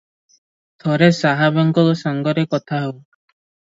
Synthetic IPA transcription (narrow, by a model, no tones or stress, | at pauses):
t̪ʰɔɾesaɦabɔŋɡɔksaŋɡɔɾekɔt̪ʰaɦɔw